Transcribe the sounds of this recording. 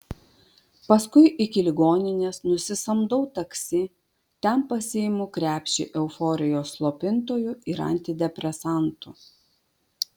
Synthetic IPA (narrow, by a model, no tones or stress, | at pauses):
pɐskʊɪʔɪkʲɪlʲɪɡoːnʲɪnʲeːsnʊsʲɪsɐmd̪ɔʊt̪ɐksʲɪ | t̪ʲɛmpɐsʲɪmukɾʲæːpʲʃʲɪ̰ʔɛʊfɔːɾʲɪjoːsːlˠoːpʲɪnt̪oːjʊɪɾɐ̰nʲt̪ʲɪd̪ʲɛpʲɾʲɛsɑˑnt̪u